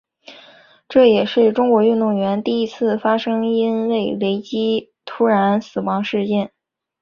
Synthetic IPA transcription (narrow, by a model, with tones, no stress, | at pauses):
ʈ͡ʂɤ˥˩jɛ˨˩ʂɻ̩˥˩ʈ͡ʂʊ˥ŋkwɔ˧˥y˥˧nt̪ʊ˥˩ŋɥɛ˧˥nt̪i˥˩i˧˥t͡sʰɹ̩˥˩fa˥ʂɤ˥ŋi˥nwe˥˩ɪwe˧˥ɪt͡ɕi˥ | t̪ʰu˥ɻa˧˥nsɹ̩˨˩wɑ˧˥ŋʂɻ̩˥˧t͡ɕjɛ˥˩n